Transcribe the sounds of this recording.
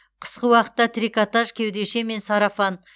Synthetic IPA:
qʰə̥sqəwɑqə̥t̪ːɑt̪ʰɾikat̪ɑʒkʲʰe̞wd̪e̞ʃe̞me̞nsɑɾɑfɑn

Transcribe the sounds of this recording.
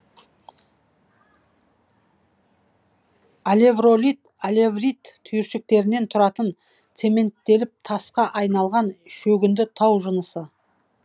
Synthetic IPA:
alʲe̞vro̞lit̪alʲe̞vrit̪kʰːʏjɪɾʃɪk̚t̪e̞ɾɪne̞nt̪ʰʊɾɑt̪ən | t̪se̞me̞nt̪ːe̞lɪp̚t̪ʰɑsqɑʔɑjnɑlˠʁɑnʃɵɡʲɪnd̪ɪt̪ʰɑwʒənəsə

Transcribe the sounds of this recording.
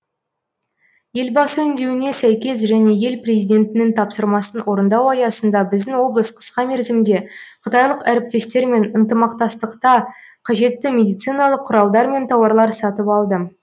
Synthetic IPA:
je̞lbɑsəʏnd̪e̞wɪne̞sæjkʲe̞s̬ʒæne̞je̞lprʲe̞zijd̪ʲe̞nt̪ɪnɪŋt̪ʰɑpsəɾmɑsənwʔo̞ɾənd̪ɑwɑjɑsənd̪ɑbɪzd̪ɪŋwo̞blˠəsqʰə̥sqɑme̞ɾzɪmd̪e̞qʰət̪ɑjlˠəqæɾɪp̚t̪e̞st̪e̞ɾme̞nənt̪əmɑqt̪ɑst̪əqt̪ɑ | qʰɑʒe̞t̪ːɪmʲe̞d̪ijt̪sɨjnɑlˠəqʰːʊɾɑlˠd̪ɑɾme̞nt̪ʰɑwɑɾlˠɑɾsɑt̪əpɑlˠd̪ə

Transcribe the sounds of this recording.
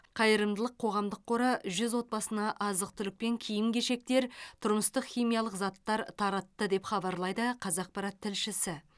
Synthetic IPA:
qʰɑjəɾəmd̪əlˠəqʰo̞ʁɑmd̪əqʰːoɾɑʒʏzwo̞t̪̚bɑsənɑʔɑzəq̚t̪ʰʏlɪk̚pe̞ŋkʲʰijɪmkʲeʃe̞k̚t̪eɾt̪ʰʊɾməst̪əqχʲijmijɑlˠəqzɑt̪ːɑɾt̪ʰɑɾɑt̪ːəd̪e̞pχɑbɑɾlˠɑjd̪əqʰɑzɑq̚pɑɾɑt̪ʰːɪlʃɪsɪ

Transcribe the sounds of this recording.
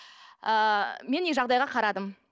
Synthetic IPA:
əme̞neʒɑʁd̪ɑjʁɑqʰɑɾɑd̪əm

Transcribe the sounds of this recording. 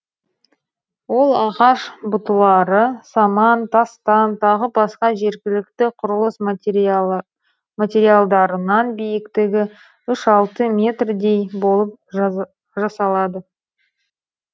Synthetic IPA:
wo̞lˠɑʁɑʃbʊt̪əlˠɑɾəsɑmɑnt̪ʰɑst̪ɑnt̪ʰɑʁəbɑsqɑʒe̞ɾɡʲɪlɪk̚t̪ɪqʰʊɾəlˠəs | mat̪ʲe̞ɾijalˠd̪ɑɾənɑnbijɪkt̪ɪɡʲɪ | ʏʃɑlˠt̪əmʲe̞t̪rd̪e̞jbo̞lˠəp̚ | ʒɑsɑlˠɑd̪ə

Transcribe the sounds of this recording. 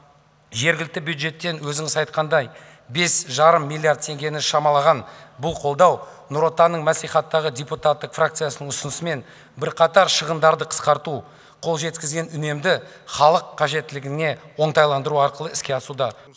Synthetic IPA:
ʒe̞ɾɡʲɪlɪk̚t̪ɪbjud̪ʒe̞t̪ːe̞nwɵzɪŋɪsɑjt̪̚qɑnd̪ɑj | be̞sʒɑɾəmːilʲːˠijard̪̚t̪ʰe̞ŋɡʲe̞nɪʃɑmɑlˠɑʁɑnbʊlˠqʰo̞lˠd̪ɑwnʊɾo̞t̪ɑnːəɴmæsiχɑt̪ːɑʁədʲe̞put̪at̪ːəqfrak̚t̪sɨjasənəɴʊsʊnəsəme̞n | bɪɾqʰɑt̪ɑɾʃəʁənd̪ɑɾd̪əqʰə̥sqɑɾt̪u | qʰo̞lˠʒe̞t̪kʲɪzɡʲe̞nʏne̞md̪ɪ | χɑlˠəqʰːɑʒe̞t̪ːɪlɪɡʲɪne̞wo̞ɴt̪ɑjlˠɑnd̪əɾuɑɾqəlˠəɪskʲe̞ɑsud̪ɑ

